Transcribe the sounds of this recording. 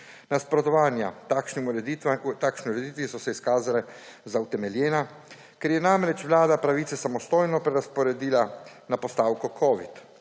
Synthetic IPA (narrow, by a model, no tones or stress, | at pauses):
naspɾɔt̪ɔʋaːnja̰akʃni | t̪aːkʃniuɾɛd̪it̪ʋisɔsɛiskaːzalɛ | zawt̪ɛmɛljɛːna | kɛɾjɛnamɾɛt͡ʃʋlaːd̪apɾaʋiːt̪sɛsamɔst̪oːjnɔpɾɛɾaspɔɾɛd̪iːlanapɔst̪aːwkukʰɔːʋḭt̪